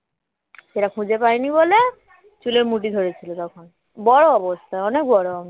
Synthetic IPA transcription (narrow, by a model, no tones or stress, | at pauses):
ʃeʈakʰũd͡ʑepajnibole | t͡ɕuleɾmuʈ̬id̪ʱoɾet͡ɕʰilot̪ɔkʰon | bɔɽoɔbost̪ʰaeɔnek̚bɔɽoami